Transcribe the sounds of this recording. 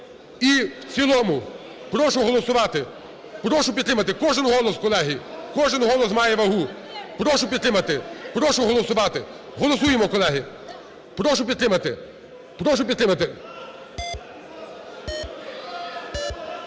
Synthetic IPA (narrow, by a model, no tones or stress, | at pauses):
iwt͡sʲilˠɔmʊ | pɾɔʃʊɦɔlˠɔsʊʋɑt̪ɪ | pɾɔʃʊpʲid̪t̪ɾɪmɐt̪ɪkɔʒɪnɦɔlˠɔskɔlˠɛɦikɔʒɪnɦɔlˠɔsmɑjɛʋɐɦu | pɾɔʃʊpʲid̪t̪ɾɪmɐt̪ɪpɾɔʃʊɦɔlˠɔsʊʋɑt̪ɪɦɔlˠɔsujemɔkɔlˠɛɦi | pɾɔʃʊpʲid̪t̪ɾɪmɐt̪ɪ | pɾɔʃ̬ʊpʲid̪t̪ɾɪmɐt̪ɪ